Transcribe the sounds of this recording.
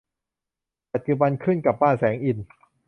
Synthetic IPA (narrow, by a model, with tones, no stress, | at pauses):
pa˨˩t̪̚t͡ɕu˧ba˧nkʰɯ˥˩nka˨˩p̚baː˥˩nsɛː˩˦ŋʔi˨˩n